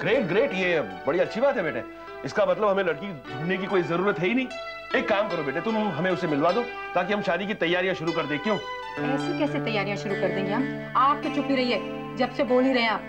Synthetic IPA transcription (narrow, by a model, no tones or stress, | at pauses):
ɡ̥ɾeːʈ̚ɡɾeːʈjebɐɽiɐtːʃʰibaːt̪ɦɛbeːʈʰḛː | ɪskamɐt̪ləbɦɐmẽlɐɽkid͡ʒʱʊnnekikoːizɐɾuːɾət̪ɦɛinɐɦĩː | eːkːaːmkɐɾobeːʈʰet̪ʊmɦɐmẽʊsemɪlʋaːd̪oː | t̪aːk̬iɦɐmʃaːd̪ikit̪ɐjːaːɾijãʃʊɾukɐɾd̪ẽːkjõː | ɐʊskikɛːsit̪ɐjːaːɾijãʃʊɾukɐɾd̪ẽːŋɡeɦɐm | aːp̚ket͡ʃʊpiɾɐɦiɦɛː | d͡ʒɐbseboːliɾɐɦjaː